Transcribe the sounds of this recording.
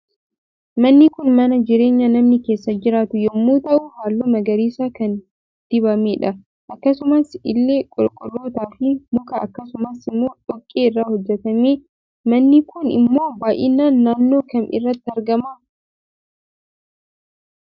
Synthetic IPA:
mɐnːɪkʊnmɐnɐd͡ʒɪɾe̞ːɲːɐnɐmnɪkeːsːɐd͡ʒɪɾaːt̪ʊjɐmːuːt̪ɐʔʊhaːlːoːmɐɡɐɾiːsaːkɐn | t̪ɪbɐmeːᶑɐ | ʔɐkːɐsʊmɐsɪlːe̞ːkʼʊlkʼʊlːo̞ːt̪aːfɪmʊkɐɐkːɐsʊmɐsɪmːo̞ːᶑɔkʼːeːɪrːaːhɔd͡ʒːɛt̪ɐmeː | mɐnːɪkʊnɪ̰mːo̞ːbaːʔɪnaːnːaːnːo̞ːkɐmʔɪ̰rːɐt̪ːɪɐɾɡɐmɐ

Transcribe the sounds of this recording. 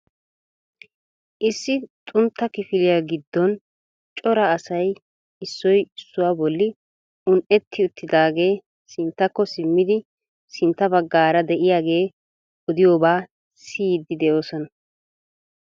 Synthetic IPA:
ʔɪsːɪt̪ʼʊnt̪ːɐkɪfɪlɪjaːɡɪd̪ːɔn | t͡ʃʼɔɾɐːsɐj | ɪsːɔjɪsːʊwaːbɔlːɪ | ʊnʔɛt̪ʰːɪʊt̪ːɪd̪aːɡe̞ː | sɪnt̪ːɐkːɔsɪmːɪd̪ɪ | sɪnt̪ːɐbɐɡːaːɾɐd̪ɛʔɪjaːɡe̞ː | ɔd̪ɪjoːbaː | siːd̪ːɪd̪ɛʔo̞ːsɔnɐ

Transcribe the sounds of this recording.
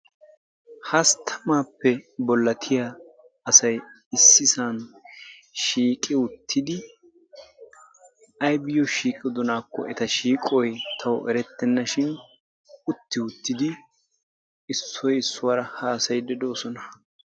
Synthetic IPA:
hɐst̪ʰɐmaːpːɛbɔlːɐt̪ʰɪja | ɐsɐj | ɪsːɪsaːn | ʃiːkʼɪʊt̪ʰːɪd̪ɪ | ɐjbɪjɔʃiːkʼɪd̪ɔnaːkːɔ̰ʔɛt̪ɐʃiːkʼɔjt̪ʰɐwɔʔɛɾɛt̪ːɛnːɐʃɪn | ʊt̪ːɪʊt̪ːɪd̪ɪ | ɪsːɔjɪsːʊwɐɾɐhaːsɐjd̪ɛd̪o̞ːsɔnɐ

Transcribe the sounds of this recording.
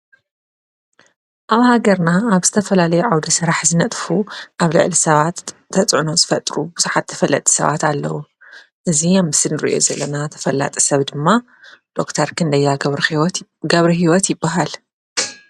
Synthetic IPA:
ʔaβhaɡɐɾnaːβz̥ɨt̪ʰɐfɐlalɐjuʕawd̪ɐsɨɾaħzɨnɐt̪ʼfuʔaβlɨ̰ʕlisɐβat̪ːʰɐt͡sʼʕuno̞zɨfɐt̪ʼɾubuzuħat̪ːʰɐ̥fɐlːɐ̰t̪ʼi̥sɐ̰βa̰t̪alːɐ̰wu | ʔɨzijamːɨsɨlnɨɾḭʔo̞̰zɐlːɐnat̪ʰɐ̥fɐlːa̰t̪ʼi̥sɐβd̪ɨmːa | d̪̥o̞kt̪ʰɐɾkʰɨnd̪ɐjːa | ɡɐβɾiɦiwɔt̪jɪbːaɦal

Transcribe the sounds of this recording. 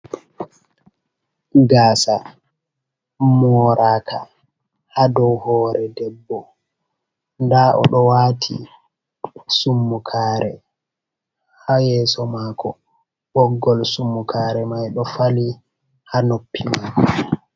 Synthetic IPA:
ɡaːsa | mɔɾʔaːkʰa̰ | hadɔwhɔːɾɛdɛbːɔ | ndaʔɔ̰ɗɔwatʰḭ | sumːukʰaːɾʔɛ | hajɛːsɔmaːkʰɔ | ɓɔɡːɔlsumːukʰaːɾɛmajɗɔfali | hanopːimakɔ

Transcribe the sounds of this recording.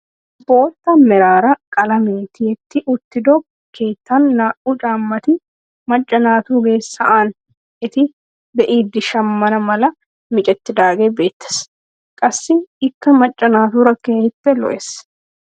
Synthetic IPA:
bo̞ːt̪ːɐmɛɾaːɾɐkʼɐlɐmeːt̪ɪjɛt̪ːɪʔʊt̪ːɪd̪ob | kʰe̞ːt̪ːaːnːaːʔut͡ʃʼaːmːɐt̪ɪ | mɐt͡ʃʼːɐnaːt̪uːɡe̞ːsːɐʔan | ɪt̪ɪ | bɛʔiːd̪ɪʃɐmːɐnɐmɐlɐ | mɪt͡ʃʼɛt̪ːɪd̪aːɡeːbe̞ːt̪ːɪ̥s | kʼɐsːɪɪkːɐmɐt͡ʃʼːɐnaːt̪uːɾɐkːehɪt̪ːɛlɔ̰ʔɛs

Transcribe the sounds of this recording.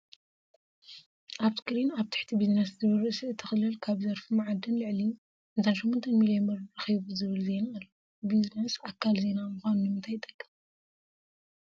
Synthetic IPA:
ʔaβskɨɾinaβt̪ʰḁħt̪ʰibizneszɨβɨɾɨʔsiɨt̪ʰːɨxɨlɨlkʰaβzɐɾfumʕad̪ɨnlɨʕli | ɨnt̪ʰanʃɛmːont̪ʰɐnmilionɐɾɾɐxiβuzɨβɨlze̞naɨlːo | biznesakʰːalze̞namuxʷanunɨmɨnt̪ʰajt̪ʼɐkʰʼːɐ̥

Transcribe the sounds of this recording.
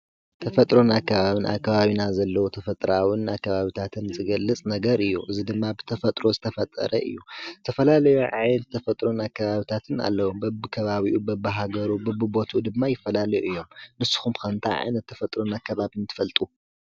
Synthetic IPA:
t̪ʰɐfɐt̪ʼɾo̞nakːɐβaβinʔa̰kːaβaβinazɐlːɐwot̪ʰɐfɐt̪ʼɾawɨnakːɐβaβit̪ʰat̪ʰɨnzɨɡɐlːɨt͡sʼnɐɡɐɾɨjːuʔɨzid̪ɨmːabɨt̪ʰɐfɐt̪ʼɾo̞zɨt̪ʰɐfɐt̪ʼːɐ̰ɾʔɐ̰ʔɨ̰jːut̪ʰɐfɐlalɐjuʕa̰jnɐtt̪ʰːɐfɐt̪ʼɾo̞nakːɐβaβit̪ʰat̪ʰɨna̰lːɐwubɐbɨkʰɐβaβiʔubɐbɨɦaɡɐɾubɐbɨbo̞t̪ʰud̪ɨmːajɪfːɐlalɐjuʔɨjːo̞mnɨsːu̥xumkʰɐnt̪ʰaʕa̰jnɐt̪ʰːɐfɐt̪ʼɾo̞nakːɐβaβint̪ʰɨ̥fɐlt̪ʼu

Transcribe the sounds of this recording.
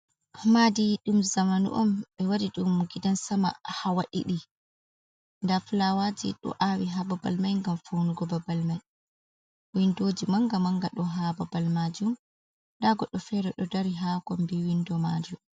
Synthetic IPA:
madiɗumzamanṵʔɔmɓɛwadiɗumɡidansama̰hawaɗḭɗi | ndafulawad͡ʒḭɗɔ̰ʔawiɦababalmajŋɡamfunuɡɔbabalmaj | windoːd͡ʒimaŋɡamaŋɡaɗɔɦababalmad͡ʒum | ɗaɡɔɗːɔfɛɾɛɗɔdaɾiɦakɔmbiwindɔmad͡ʒum

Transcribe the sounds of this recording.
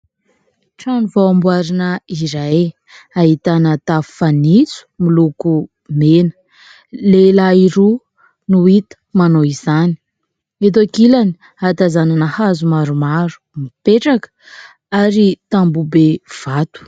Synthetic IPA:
ʈ͡ʂanivoambuaɾinəiɾaj | aɦit̪anət̪affanit͡su̥miluku | menə̥ | lelaiɾu | nuit̪ə̥manoizani̥ | et̪̬akilani̥ | at̪azananahazumaɾumaɾu̥mipeʈ͡ʂak | aɾit̪ambubev̥at̪u̥

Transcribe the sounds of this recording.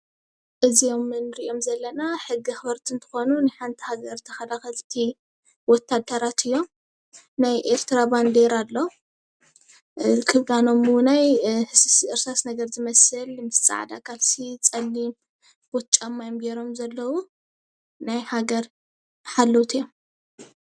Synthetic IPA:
ʔɨzijo̞mɨnɨɾiʔo̞mzɐlːɐnaħɨɡːixɨβɐɾt̪ʰiɨnt̪ʰɨ̥xo̞nunɨħant̪ʰi̥haɡɐɾt̪ʰɐxɐlaxɐlt̪ʰi | wɔt̪ʰːad̪ɐɾat̪ʰɨjːo̞m | najʔeɾt̪ʰɾaband̪eɾalːo̞ | kʰɨβlano̞munajhɨsɨsʔɨɾsasnɐɡɐɾzɨmɐsɨlmɨst͡sʼa̰ʕd̪a̰kʰalsit͡sʼɐlːim | b̥ot̪t͡ʃʼamːajomɡeɾo̞mzɐlːɐwu | najhaɡɐɾ | ħalːowt̪ʰjom

